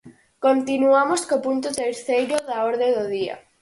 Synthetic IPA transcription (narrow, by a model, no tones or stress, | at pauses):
kont̪inuamoskopunt̪ʊt̪eɾθejɾoðaɔɾðeðoðia̰